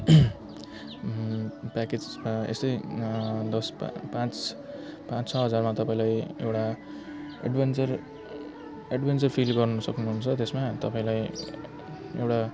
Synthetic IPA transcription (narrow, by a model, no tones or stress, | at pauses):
paked͡zaḛst̪ʌj | d̪ʌspãt͡s | pãt͡st͡sʰʌɦʌd͡zarmat̪ʌpaĩlajḛwʈa | ḛɖbent͡sʌr | eɖbent͡sʌrpʰilɡʌrnʌsʌknuɦunt͡sʰʌt̪esmat̪ʌpãĩlaj | ḛwʈa